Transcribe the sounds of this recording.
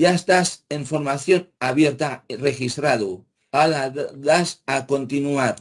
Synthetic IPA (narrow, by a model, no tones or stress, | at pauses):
jaest̪aseɱfoɾmaθjo̞naβje̞ɾt̪airexist̪ɾaðu | alaðasako̞nt̪inuaɾ